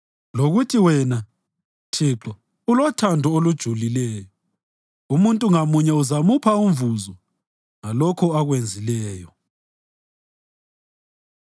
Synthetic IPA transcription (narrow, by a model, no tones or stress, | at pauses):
loɣutʰiwɛna | tʰiǁɔ | ulɔtʰandʱɔolud̥ʒ̥ʱulilɛːjɔ | umuntʼuŋamuɲɛuzamupʰaumvuzɔ | ŋalɔkʰɔaɣwend͡zʱilɛːjɔ